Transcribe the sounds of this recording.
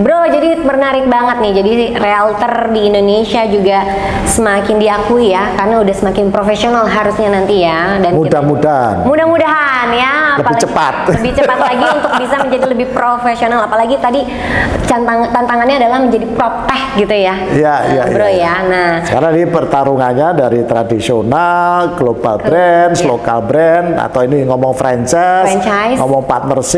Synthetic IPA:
bɾod͡ʒadimərnaɾɪk̚baŋət̪̚nɪhd͡ʒadirealut̪ərdiːndonesiad͡ʒuɡa | səmakɪndiakuijakarnaudahsəmakɪnpɾofesionalɦaɾusɲanant̪ija | danmudahmudamudahmudaɦanjaalpalt͡ʃəpa̰t̪̚ləbɪt͡ʃəpat̪laɡiunt̪ʊk̚bisaməɲd͡ʒadiləbɪhpɾofesionalapalaɡit̪adi | t͡ʃant̪aŋt̪ant̪aŋanɲaːdalahməɲd͡ʒadipɾot̪ɛhɡit̪uja | ijaḭja̰bəɾojanahsəkaɾaŋdipərt̪aɾuŋaɲadaɾit̪ɾadisionalɡlobalbɾɛnslokalbɾɛna̰t̪awiniŋɔmɔŋfɾaɲt͡ʃajsɛnt͡ʃajsŋɔmɔŋpat̪̚mərsɪ

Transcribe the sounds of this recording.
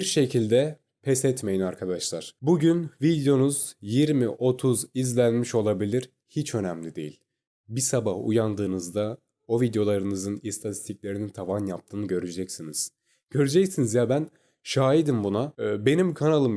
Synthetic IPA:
biɾʃe̞cʰilʲd̪ɛ | pʰɛsɛt̪me̞jinaɾkʰad̪aʃlˠaɾ̥buɟynvid̪jo̞nuzjiɾmiʔo̞t̪ʰuzizlʲænmiʃo̞lˠabilʲiɾ | hit͡ʃʰø̞næmlʲid̪e̞jḭlʲ | bisabahṵjand̪ɯːnɯzd̪a | o̞vid̪jo̞lˠaɾɯnɯzɯnist̪ʰat̪ʰi̥st̪ʰicʲlʲe̞ɾinint̪ʰavanjap̚t̪ʰɯːnɯɟø̞ɾyd͡ʒɛcsiniz̥ | ɟ̥ø̞ɾyd͡ʒɛcsinizjabæn | ʃaːɦid̪imbunabe̞nimkʰanalˠɯm

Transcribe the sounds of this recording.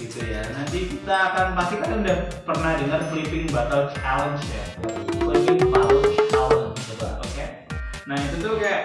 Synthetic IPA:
ɡit̪ujanant̪ikit̪aːkanpast̪ikanundahpərnahdəŋarflipɪŋbat̪alt͡ʃalənt͡ʃja̰aiumlipɪŋpalət͡ʃt͡ʃalənit̪uba̰o̰ke | nahjat̪ənt̪ukajaʔ

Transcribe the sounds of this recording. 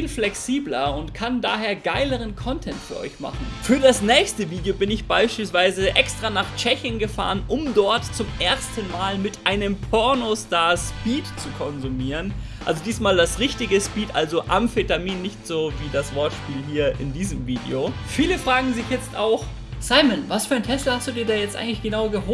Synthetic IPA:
fiːlflɛksiːblɐʊntkʰanda̰ːɦeːɐɡaɪləʁ̞ənkʰɔntʰɛntfyːɐʔɔ̰ʏçma̰χn̩fyːɐdasnɛːçstəviːdejobɪnɪçb̥aɪʃpiːlsv̥aɪzəʔɛkstʁ̥aːnaːχt͡ʃɛçənɡəfa̰ːʁənʔʊmdɔɐtt͡sʊmʔeːɐstən̩maːlmɪtʔaɪnəmpʰɔɐnostaːɐspiːtt͡sukʰɔnzumiːʁənʔʔalzodiːsmaːldasʁɪçtɪɡəspiːtʔa̰lzoʔa̰mfetamiːnːɪçtz̥oːviːdasv̥ɔɐtʃpiːlɦiːɐʔɪ̰ndiːzəmviːdḛofiːləfʁ̥aːɡŋ̩zɪçjɛt͡stʔaʊx | saɪmənvasfyːɐaɪntʰɛslɐhastd̥uːdiːɐdaːjɛt͡stʔa̰ɪɡŋtlɪçɡ̥ənaʊɡəɦoː

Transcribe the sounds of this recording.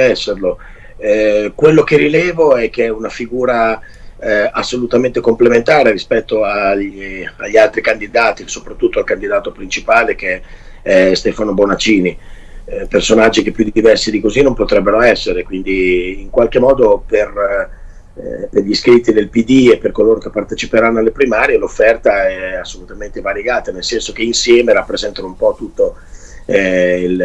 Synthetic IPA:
ɛsːerlo | kwelːok̟eɾilɛːvoɛk̟ːeɛunafiɡuːɾa | asːolut̪ament̪ekomplement̪aːɾeɾispɛt̪ːoa | a̰ʎːialt̪ɾikand̪id̪aːt̪isopɾat̪ːut̪ːoalkand̪id̪aːt̪opɾint͡ʃipaːlek̟e | ɛst̪ɛːfanobonat͡ʃiːni | personad͡ʒːik̟epːjud̪id̪ivɛrsid̪ikozinompot̪ɾɛbːeɾoɛsːeɾekwind̪iːŋkwalk̟emːɔːd̪oper | perʎiskɾit̪ːinelpid̪iepːerkoloːɾok̟epːart̪et͡ʃipeɾanːoalːepɾimaːɾjelofːɛrt̪aɛasːolut̪ament̪evaɾjeɡaːt̪anelsɛnsok̟einsjɛːmeɾapːɾezɛnt̪anoumpɔt̪ut̪ːo | il

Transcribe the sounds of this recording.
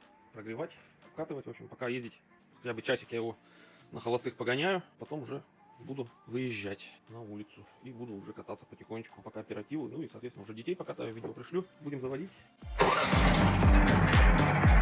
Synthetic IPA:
pɾəɡɾʲɪvatʲ | ɐpkat̪ɨvətʲvo̞pɕɪmpɐkajezʲdʲɪtʲ | xɐtʲabɨt͡ɕæsʲɐkjajɪvonəxəlˠɐst̪ɨxpəɡɐnʲæjʊpɐt̪o̞mʊʐɛ | bud̪ʊvɨjɪʑːætʲnɐulʲɪt̪sʊibud̪ʊːʊʐɛkɐt̪at̪sə̥pətʲɪxonʲːɪt͡ɕkʊ̥pɐkaɐpʲɪɾɐtʲivʊ̰nuisɐt̪vet̪ʲnəʊʐɛdʲɪtʲejpɐkat̪ajʊvidʲɪopɾʲɪʂlʲubudʲɪmzəvɐdʲitʲ

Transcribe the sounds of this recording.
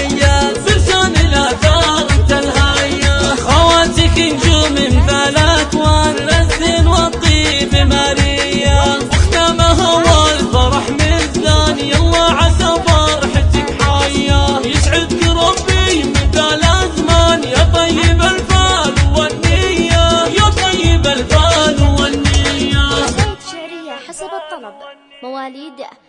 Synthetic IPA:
jːabɪɾsaːnɪlʔaʔθaːɾˤt̪alɦaːjːaxawaːt̪ikɪnd͡ʒuːmɪmθaːlat̪waːnlazːɪnwɑt̪ˤːibɪmaɾɪjːawɪxd̪aːmaɦawaːlfɑɾˤɑħmɪzanjɑlˤːɑːʕasabɑɾˤɑħɪt̪ːɪkħaːjːajɪsʕɪd̪kɪɾˤɑbijmɪθaːlazmanjat̪ˤɑjːɪbalfaːlwanːɪjːajaːt̪ˤɑjːɪbalfaːnwanːɪja | aˤːɑb | mwaːlid̪

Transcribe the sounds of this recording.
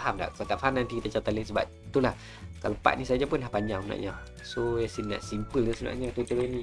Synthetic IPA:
ahamda̰ʔkat̪aʔfaɦamnant̪ikit̪at͡ʃat̪aləsəba̰ | t̪ulah | kalapa̰ʔ̪̚nisad͡ʒapʊnlahpaɲd͡ʒaŋsna̰ʔɲa | sojasinda̰ʔsimpəld̪usna̰ʔɲat̪it̪əɾəni

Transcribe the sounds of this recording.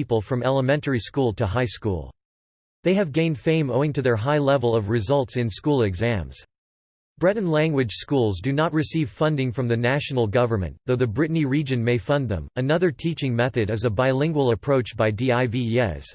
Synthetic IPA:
ipl̩ˠfɹʌ̃mɛlˠəmɛ̃ntə˞iskulˠtʰɨɦaɪskṵlˠ | ðeɪɨvɡẽɪ̃nd̥fẽɪ̃moʊɪ̃ŋtʰɨðə˞ɦaɪlɛvl̩ˠʌvɹɨzʌlˠtsɨ̃nskulˠɨɡzæ̃mz̥ | b̥ɹɛɾⁿn̩læ̃ŋɡwɨd̥ʒ̥skulˠzdɨnət̚ɹɨsiv̥fʌ̃ndɪ̃ŋfɹʌ̃mðɨnæʃn̩l̩ˠɡʌvə˞mɨ̰̃nðoʊðɨbɹɪʔniɹid͡ʒɨ̃nmeɪfʌ̃nðə̰̃mɨnʌðə˞tʰit͡ʃɪ̃ŋmɛθɨɾɨzəbaɪlɪ̃ŋɡwl̩ˠəpʰɹ̥oʊt͡ʃb̥aɪdiaɪviɛ̰s

